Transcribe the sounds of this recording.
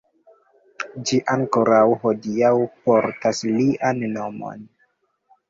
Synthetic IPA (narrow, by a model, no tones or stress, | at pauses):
d͡ʒiʔaŋko̞ɾawho̞diawpo̞ɾtasliʔanːo̞mo̞̰n